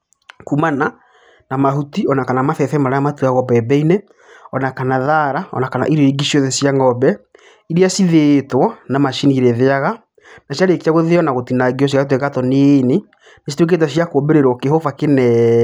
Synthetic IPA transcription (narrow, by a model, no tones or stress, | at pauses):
kumana | namaɦutiɔnakanamaθɛθɛmaɾaamatuaɣɔbɛbɛine | ɔnakanaðaɾaɔ̰nakana̰ʔiɾeɾiɡiɕiɔðɛsjaŋɡɔbɛ | iɾiasiðetwanamaʃiniɾɛðeaɣa | naɕjaɾekiaɣoðeɔnaɣotinaɡiɔs̬iat̬wekatɔnene | nesitwek̬et̬aɕjakobeɾeɾɔkeɦofakenɛ